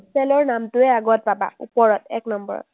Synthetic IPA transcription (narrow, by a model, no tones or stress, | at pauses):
sɛlɔɹnamtʊɛaɡɔt̚paba̰ṵpɔɹɔtɛ̰knɔmbɔ̰ɹɔ̰t